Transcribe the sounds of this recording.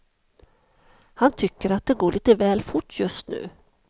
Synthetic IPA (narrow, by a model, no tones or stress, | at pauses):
hant̪ʰʏkːəɾat̪̚d̪ɛɡoːɭʔiːt̪əvɛːlfʊʈːjɵst̪nʉ̟̰ː